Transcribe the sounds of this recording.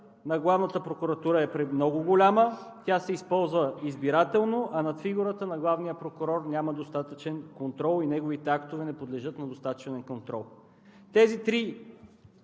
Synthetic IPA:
nɐɡlˠavnət̪əpɾokʊɾɐt̪uɾəɛpɾɛmnɔɡʊɡolʲamət̪ʲasɛispɔlˠzvəizbiɾat̪ɛlˠnoʔɐnɐt̪fiɡʊɾət̪ənɐɡlˠavnijəpɾokʊɾɔɾnʲaməd̪ost̪at̪ət͡ʃɛnkont̪ɾɔlˠinɛɡovit̪ɛakt̪ovɛnɛpod̪lɛʒɤt̪nɐd̪ost̪at̪t͡ʃɛnɛnkont̪ɾɔlˠ | t̪ɛzit̪ɾi

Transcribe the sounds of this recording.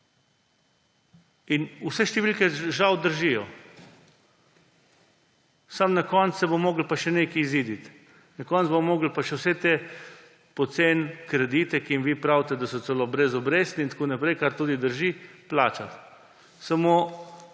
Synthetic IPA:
inusɛʃt̪ɛʋiːlkɛʒawd̪əɾʒijɔ | samnakɔnt̪ssɛbomoːɡlpaʃɛneːkiiziːd̪it̪ | nakɔnt̪zbomoːɡl̩paʃɛwsɛt̪e | pɔt̪seːnkɾɛd̪it̪ɛkiimʋipɾawt̪ɛd̪asɔt̪sɛlobɾɛzɔbɾeːst̪nint̪akoːnapɾɛjkaɾt̪uːd̪id̪əɾʒiplaːt͡ʃat̪ | samoː

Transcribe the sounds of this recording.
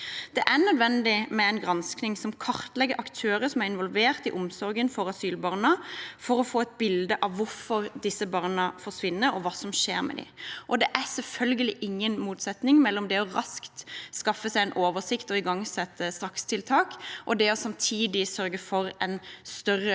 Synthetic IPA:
d̪̥ɛʔæʁnœd̪ʋɛnd̪ɪmɛɛɪnɡʁɑnsknɪŋsɔmkʰɑʁt̪lɛɡəʔɑkt̪ʰøːɾəsɔmæɾɪnʋɔlʋeːʁt̪ɪʔʊmsɔɾɡənfɔɾɑsyːlbɑʁnəfɔɾɔfoːɛt̪̚bɪld̪əʔɑʋːʊɾfɔɾd̪ɪsːəbɑʁnəfɔʂʋɪnːəɾɔʋɑːsɔmʃeːɾmɛ̰d̪ɪ̰ʔɔd̪ɛʔæsɛlfœlɡəlɪʔɪŋːənmuːt̪sɛt̪nɪŋmɛlːɔmd̪ɛɔʁɑskt̪skɑfːəsæɪɛnʔoːʋəsɪkt̪ɔɪɡɑŋsɛt̪ːəst̪ʁɑkst̪ʰɪlt̪ʰɑːkʔɔd̪ɛɔsɑmt̪ʰiːd̪ɪsœɾɡəfɔɾɛnst̪œrə

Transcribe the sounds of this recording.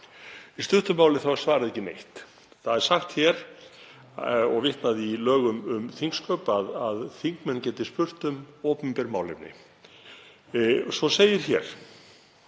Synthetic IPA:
ist̪ʏht̪ʏmaːwlɪθawɛɾ̥svaːɾaðɛcːɪnḛjht̪ | θaðɛɾ̥saxt̪çɛɾ̥ | ɔɣvɪht̪naðilœːɣʏmʏmθiŋkskœːpaðaðθiŋkmɛncɛːt̪ɪspʏr̥t̪ʏmɔːpʏmpɛɾmaːwlɪ̰pnɪ̰ | svɔseːjɪɾ̥çɛːɾ̥

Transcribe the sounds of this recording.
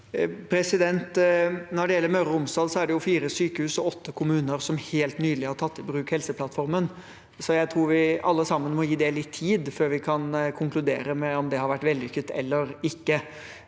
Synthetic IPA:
pʰɾɛsɪd̪ɛnt̪nɔɖɛjɛlːəɾmœɾʊmsɑlsɔæɖɛjʊfiːɾəsyːkəhʉːsɔɔt̪ʰːəkʰʊmʉːnəɾsɔmheːlt̪nyːd̪lɪhɑʈʰɑt̪ːɪbɾʉːkhɛlsəpʰlɑt̪fɔɾmən | sɔjæɪt̪ʰɾuːɾʋɪɑlːəsɑmːənmɔjiːd̪ɛlːɪt̪ʰːiːd̪føːɾʋɪkʰɑnkʰʊŋklʉd̪eːɾəmɛɔmd̪ɛhɑɾʋæʈːʋɛld̪ɪkːət̪ːɛ̰lːəɾɪkːə

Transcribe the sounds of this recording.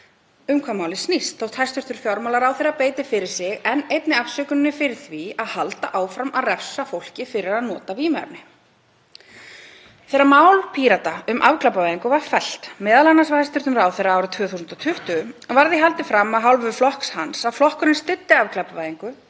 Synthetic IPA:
ʏmkʰvamaːwlɪsnist̪θowht̪hajst̪ʏɾ̥t̪ʏɾ̥fjɔɾmawlaɾawθeɾapeːjt̪ɪfɪɾɪɾ̥sɪɣɛnejt̪nɪafsʏːkʏnɪnːɪfɪɾɪ̥θviaðhalt̪aʔaːwfɾamaðrɛfsafowl̥cɪfɪɾɪɾaðnɔːt̪aviːma̰ɾnɪ | θɛːɾamaːwlpʰiːɾat̪aʏmʔavklapavajðiŋkʏvaɾ̥fɛl̥t̪mɛːðalanːasvahajst̪ʏɾt̪ʏmɾaːwθɛɾːaaːwɾʏt̪ʰvœːθusʏnt̪ɔt̪ʰʏht̪ʏɔvaɾðɪɦalt̪ɪfɾamːaðɦawlvʏflɔhkshansaðflɔhkʏɾɪnst̪ʏt̪ːɪavklapavajðiŋkʏ

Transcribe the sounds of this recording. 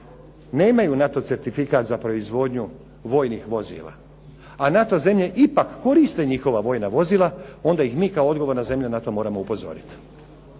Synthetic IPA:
ne̞ːmajunat̪o̞tse̞ɾt̪ifikat̪zapɾo̞izʋo̞ːd̪ɲu | ʋo̞ːjnixʋo̞zḭːlˠa̰ | anat̪o̞ze̞mʎe̞ʔipakːo̞ɾist̪e̞ɲixo̞ʋaʋo̞ːjnaʋo̞ziːlˠao̞nd̪aixmiːkaood̪ɡo̞ʋo̞ɾnaze̞mʎanat̪o̞mo̞ːɾamo̞upo̞zo̞̰ɾit̪

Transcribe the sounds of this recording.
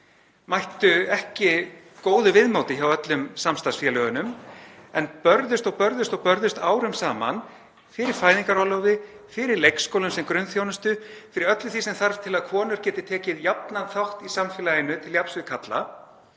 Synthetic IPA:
majht̪ʏɛhcɪ | koːwðʏvɪðmowt̪ɪçawœt̪lʏmsamst̪asfjɛlœːɣʏnʏmɛnpœɾðʏst̪ɔɣpœɾðʏst̪ɔɣpœɾðʏst̪aːwɾʏmsaːma̰n | fɪɾɪɾ̥faːjðiŋkaɾɔwlowvɪ | fɪɾɪɾlejkskowlʏmsɛmkɾʏnθjownʏst̪ʏfɪɾɪɾœt̪lʏθisɛmθaɾv̥t̪ʰɪlaðkʰɔːnʏɾ̥cɛːt̪ɪt̪ʰɛːcɪðjap̚nanθawht̪isamfɪːlajɪnːʏt̪ʰɪljapsvɪðkʰat̪la̰

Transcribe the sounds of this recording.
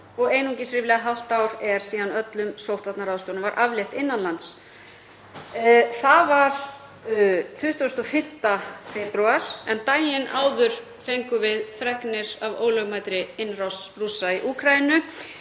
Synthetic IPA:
ɔɣejnuŋcɪsɾɪːvlɛɣaɦawl̥t̪awɾɛɾ̥siːðanœt̪lʏmsowht̪vat̪naɾaðst̪oːnʏmvaɾʔavljɛht̪ɪnːanlans | θavaɾ̥ | t̪ʰʏht̪ɔst̪ɔfɪm̥t̪afɛpɾyaɾ̥ɛnt̪aːjɪnʔaːwðʏɾ̥ | fejŋkʏvɪðfɾɛknɪɾ̥avo̰ːwlœɣmajt̪ɾɪɪnːrawsrusaiʔukʰɾajɪnʏ

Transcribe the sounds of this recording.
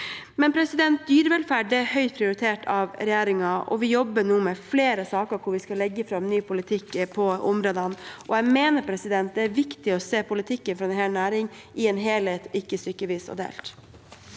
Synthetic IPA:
mɛnpʰɾɛsɪd̪ɛnt̪̚d̪yːɾʋɛlfæɖːɛhœʏt̪pʰɾɪʊɾɪt̪ʰeːʈɑʋɾɛjeːɾɪŋɑɔ̰ʋɪjɔbːəɳuːmɛfleːɾəsɑːkəɾkʰʊɾʋɪskɑlɛɡːəfɾɑmnyːpʰʊlɪt̪ʰɪkːpʰɔɔmɾoːd̪ɑnʔɔjæmeːnəɾpʰɾɛsɪd̪ɛnt̪̚d̪ɛæɾʋɪkt̪ɪɔseːpʊlɪt̪ʰɪkːənfɾɑɛnheːnæːɾɪŋʔɪɛːnɦeːleːt̪ɪkːəst̪ʏkːəʋiːsɔ̰d̪ḛːlt̪

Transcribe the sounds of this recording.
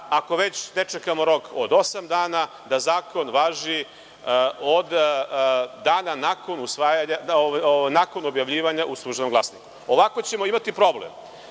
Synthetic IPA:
ako̞ʋe̞t͡ɕne̞t͡ʃekamo̞ɾo̞kod̪o̞samd̪aːna | d̪azaːko̞nʋaːʒi | od̪ | d̪aːnanako̞nusʋaːjaɲaoʋaoajnaːko̞no̞bjaʋʎiːʋaɲaʔuslˠuːʒenomɡlasniku̥ | o̞ʋako̞t͡ɕe̞mo̞imat̪ipɾo̞blḛm

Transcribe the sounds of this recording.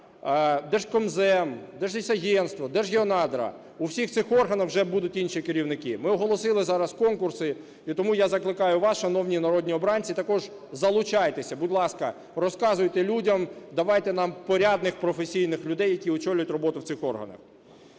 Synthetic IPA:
d̪ɛʒkɔmzɛmd̪ɛʒlʲisʲɐɦʲɛnst̪ʋɔd̪ɛʒɦʲiɔnɑd̪ɾɐ̰ | uwsʲixsɪxɔrɦɐnɐxwʒɛbud̪ʊtʲinʃikɪɾʲiwnɪkɪmɪɔɦɔlˠɔsɪlˠɪzɑɾɐskɔnkʊrsɪ | it̪ɔmujazɐklˠɪkɑjʊʋɑsʃɐnɔwnʲinɐɾɔdʲnʲiɔbɾɑnʲt͡sʲit̪ɐkɔʒ | zɐlˠʊt͡ʃɑjt̪esʲɐbudʲlˠɑskɐ | rɔskɑzʊjt̪ɛlʲudʲɐmd̪ɐʋɑjt̪ɛn̪ɑmpɔɾʲad̪nɪxpɾɔfesʲijnɪxlʲʊd̪ɛjːɐkʲiɔt͡ʃɔlʲʊjʊtʲrɔbɔt̪ʊwt̪sɪxɔrɦɐ̰nɐ̰x

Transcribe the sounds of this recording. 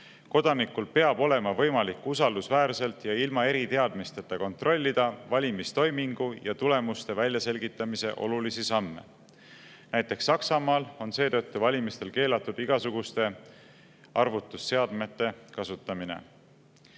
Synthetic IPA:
ko̞d̪̥ɑnikːulpe̞ɑb̥o̞le̞mɑvɤjmɑlikːˑusɑld̪̥usvæːɾse̞lt̪jɑilmɑe̞ɾit̪e̞ɑd̪̥mist̪e̞t̪ːˑɑko̞nt̪ro̞lʲːid̪̥ɑvɑlʲimist̪o̞jmiŋɡ̥ujɑt̪ule̞must̪e̞vælʲjɑse̞lɡit̪ːˑɑmise̞̰ʔo̞̰lulisisɑmːe̞̰ | næjt̪ːˑe̞ksːɑksɑmɑːlo̞nse̞ːt̪ɤ̞t̪ːuvɑlʲimist̪e̞lke̞ːlɑt̪ːˑud̪̥iɡ̥ɑsuɡ̥ust̪e̞ | ɑrvut̪ːˑusːe̞ɑd̪me̞t̪ːˑe̞kɑsut̪ːˑɑmine̞̰

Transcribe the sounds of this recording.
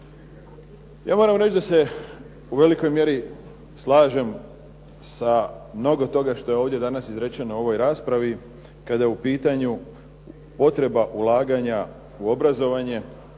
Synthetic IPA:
ja̰ːmo̞ːɾamɾe̞t͡ʃd̪ase̞ | uʋe̞liko̞jmje̞ɾi | slˠaːʒe̞m | samno̞ɡo̞t̪o̞ɡaʃt̪o̞je̞o̞ːʋd̪je̞d̪anasizɾet͡ɕenouo̞ʋo̞jɾaːspɾaʋi | kad̪ajeupiːt̪aɲu | po̞t̪ɾe̞baʔulˠaːɡaɲa | uo̞bɾazo̞ʋaɲe̞

